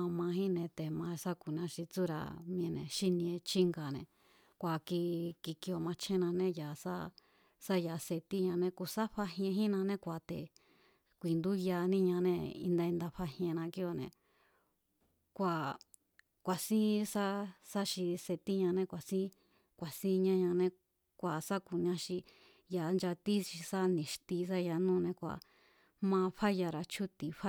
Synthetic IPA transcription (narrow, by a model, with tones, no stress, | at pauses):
mã˧ɦĩ˦nẽ˧t̪e˨mã˧sa˦ku˨nã˧ʃi˧t͡su˦ɾa̰˧mĩ˧ẽ˧nḛ̃˨ʃi˦nĩ˧ẽ˧t͡ʃi˦ŋɡa˨nẽ˨ | kʷa˨ki˧ki˧ki˧o˧˨mã˧t͡ʃʰẽ˦nã˧nẽ˦jaː˨sa̰˦ | sa˦ja˧se˧t̪i˦ɲã˧nẽ˦ku˧˨sa˦ɸa˧ɦẽ˧ɦĩ˦nã˧nẽ˦kʷa˨t̪ḛ˨ | kʷi˨nd̪u˦ja˧nĩ˦ɲã˧nẽ˧ḭ˧nd̪a˧i˧nd̪a˧ɸa˧hĩ˧ẽ˧nã˧ki˧˦o˧˨nẽ˨ | kʷa˨ | kʷa˨sĩ˦sa˦sa˦ʃi˧se˧t̪i˦ɲã˧nẽ˧kʷa˨sĩ˦ | kʷa˨sĩ˦ɲã˧ɲã˧nẽ˧ | kʷa˨sa˦ku˨ɲã˧ʃi˧ | ja˧nd͡ʒa˧t̪i˦ʃi˧sa˦nĩ˨ʃt̪i˧s̬a˦ja˧nũː˦˧nẽ˧kʷa̰˨ | mã˧ɸa˦ja˧ɾa˧t͡ʃʰu˦t̪i˧˨ɸa˦